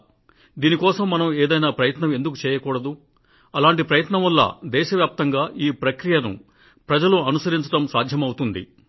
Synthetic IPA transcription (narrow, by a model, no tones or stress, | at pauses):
d̪iːnikɔːsɐmːɐnɐmeːd̪ɐjnaːpɾɐjɐt̪nɐme̞nd̪ukut͡ʃɛːjɐkuːɽɐd̪u | ɐlaːɳʈipɾɐjɐt̪nɐmʋɐlːɐ̰ːd̪ɛːʃɐʋjaːp̚t̪ɐŋɡaːʔiːpɾɐkɾijɐnṵ | pɾɐd͡ʒɐluɐnusɐɾiɲt͡ʃɐʈɐmsa̰ːd̪ʱjɐmɐwut̪und̪ḭ